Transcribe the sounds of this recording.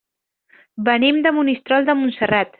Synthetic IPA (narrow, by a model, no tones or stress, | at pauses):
bənimd̪əmunist̪ɾɔlˠd̪əmunsərat̪